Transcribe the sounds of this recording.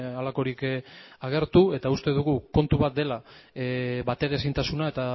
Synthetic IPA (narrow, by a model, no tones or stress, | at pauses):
alako̞ɾikaɣ̞e̞ɾt̪ue̞t̪aust̪e̞ðuɣuko̞nt̪uβat̪̚d̪e̞la | βat̪e̞ɾesint̪asunae̞t̪a